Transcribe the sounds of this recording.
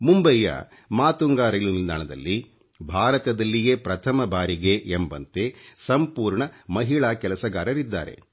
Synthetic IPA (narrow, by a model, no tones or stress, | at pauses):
mumbɐjːɐ̰ | maːt̪uŋɡaːɾɐjlunild̪a̰ːɳɐd̪ɐ̰lːi | bʱaːɾɐt̪ɐd̪ɐlːijeːpɾɐt̪ʰɐmɐbaːɾiɡeʔembɐ̰nt̪e̞sɐmpuːɾɳɐmɐɦiɭaːkɛlɐsɐɡaːɾɐɾid̪ːa̰ːɾḛ